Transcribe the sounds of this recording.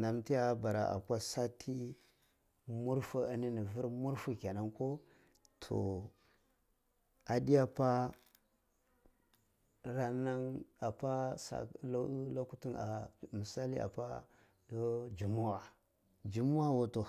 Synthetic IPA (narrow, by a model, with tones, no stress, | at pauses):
na˨mti˦a˦ba˨ɾa˨ʔa̰˨kʷa˦sa˦tʰi˦ | mu˦ɾfu˦a˦ni˦ni˨vi˦ɾmu˦ɾfu˦kʲa˨na˦ŋko˦ | tʰo̰˨ | a˨di˦ja˦pa˦ | ɾa˦na˦na˨pa˦sa̰˨la˦lo˦ku˦ti˦na̰˨mə˨sa˦li˦ʔa̰˨pa˦ | do˦d͡ʒu˨mu˦wa˨ | d͡ʒu˨mu˦wa˦wo˨to˨